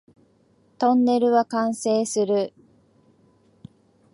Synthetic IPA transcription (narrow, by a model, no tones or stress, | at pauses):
t̪õ̞nːe̞ɾɯ̟βakãɰ̃se̞ːsɨɾɯ̟